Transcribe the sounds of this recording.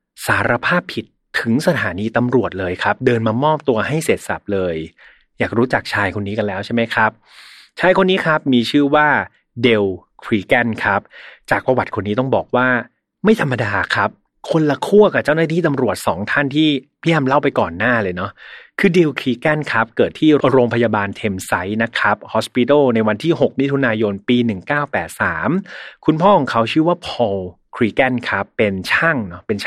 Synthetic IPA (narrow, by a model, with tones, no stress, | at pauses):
saː˩˦ɾa˧pʰaː˥˩pʰːi˨˩t̪ʰːɯ˩˦ŋsa˧t̪ʰaː˩˦niː˧t̪a˧mɾu˨˩ət̪̚lɤː˧jkʰa˦˥p̚dɤː˧nmaː˧mɔː˥˩p̚t̪u˧ɐha˥˩jseː˨˩t̪̚sa̰˨˩p̚lɤː˧j | jaː˨˩k̚ɾuː˦˥t͡ɕa˨˩k̚t͡ɕʰaː˧jkʰo˧nːiː˦˥ka˧nlɛː˦˥wt͡ɕʰa˥˩ma˦˥jkʰɾa˦˥p̚ | t͡ɕʰaː˧jkʰo˧nːiː˦˥kʰa˦˥p̚miː˧t͡ɕʰɯː˥˩waː˥˩ | de˧wkʰɾiː˦˩ka˥˩nkʰa˦˥p̚t͡ɕaː˨˩k̚pɾa˧wa˨˩t̪̚kʰo˧nːiː˦˥t̪ɔ˥˩ŋbɔ̰ː˨˩k̚waː˥˩ | ma˥˩jt̪ʰa˧mːa˧daː˧kʰa˦˥p̚ | kʰo˧nla˧kʰu˥˩əka˨˩p̚t͡ɕa˥˩wnaː˥t̪ʰiː˥˩t̪a˧mɾu˨˩ət̪̚sɔː˩˦ŋt̪ʰa˥˩nt̪ʰiː˥˩pi˦˥˩əmla˥˩wpa˧jkɔː˨˩nːaː˥˩lɤː˧jnɔ˦˥kʰɯː˧di˧wkʰiː˧kɛ˥˩nkʰa˦˥p̚kɤː˨˩t̪ʰːiː˥˩ɾoː˧ŋpʰa˧jaː˧baː˧nt̪ʰe˧msa˦˥jna˦˥kʰa˦˥p̚hɔː˦˥spi˧t̪ɔː˥˩na˧jwa˧nt̪ʰiː˥˩ɦo˨˩k̚mi˦˥t̪ʰu˧naː˧jo˧npiː˧nɯ˨˩ŋkaː˥˩wpɛː˨˩t̪̚saː˩˦mkʰu˧npʰɔː˥˩kʰɔː˩˦ŋkʰa˦˥wt͡ɕʰɯː˥˩waː˥˩pʰɔ˧w | kʰɾiː˧kɛ˥˩nkʰa˦˥pːe˧nt͡ɕʰa˥˩ŋnɔ˦˥pe˧nt͡ɕʰ